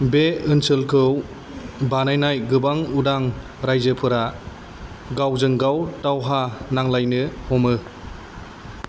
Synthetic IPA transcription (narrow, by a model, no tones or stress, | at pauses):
beɯnsɯlkʰɯw | banajnajɡɯbaŋudaŋ | ɾajzɯpʰɯɾa | ɡawzɯŋɡawtawɦanaŋlajnɯhɔmɯ